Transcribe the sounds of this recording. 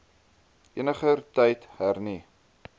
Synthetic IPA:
ʔiənəχərtɛjtɦærni

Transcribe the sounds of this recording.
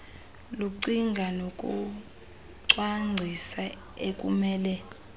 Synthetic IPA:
luǀiŋɡʱanokʼṵ | ǀwaŋ͡ǀʱisa | ekʼumɛːlɛ

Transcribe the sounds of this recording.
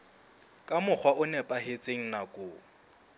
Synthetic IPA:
kʼamʊk͡xʰwaʔʊnɛpʼahet͡sʼeŋ̩nakʼʊː

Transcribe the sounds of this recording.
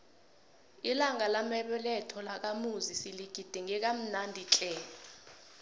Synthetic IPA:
ilaŋalamɛɓɛlɛtʰɔlak̬amuzisiliɡ̥ʱid̥ʱiŋɛk̬am̩nandʱit͡ɬʼɛ

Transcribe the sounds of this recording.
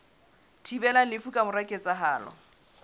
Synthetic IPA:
tʰibɛlalɪfukʼamʊrakʼet͡sʼaɦaːlɔ̰

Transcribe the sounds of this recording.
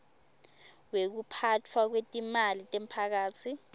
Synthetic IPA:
wek̬upʰatʰwak̬wetʼimalitʼem̩pʰak̬aːt͡sʰi

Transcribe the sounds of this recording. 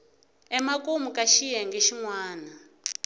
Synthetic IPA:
ɛmakʼumukʼaʃijɛŋɡeʃiŋwaːna

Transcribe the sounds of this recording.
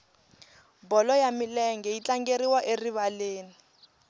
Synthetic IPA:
bɔlɔjamilɛŋɡɛit͡ɬaŋɡeɾiwaʔeriβaleːni

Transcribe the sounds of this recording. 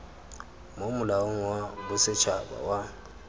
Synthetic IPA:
momʊlaʊŋ̩wabʊsɪt͡ʃʰaba̰wa

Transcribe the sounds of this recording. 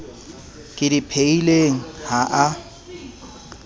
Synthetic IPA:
kʼɪdipʰeileŋ̩haʔa

